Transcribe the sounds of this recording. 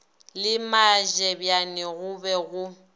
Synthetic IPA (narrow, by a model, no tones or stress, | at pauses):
lɪmaʒɛbjanɪɣʊbɛɣʊ